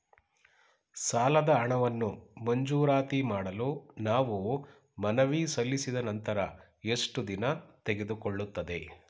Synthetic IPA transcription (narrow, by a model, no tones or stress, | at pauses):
saːlɐd̪ɐɐɳɐʋɐnːumɐɲd͡ʒuːɾaːt̪imaːɽɐlunaːʋu | mɐnɐʋisɐlːisid̪ɐnɐnt̪ɐɾɐ | e̞ʂʈud̪inɐt̪eɡe̞d̪ukoɭːut̪ːɐd̪e̞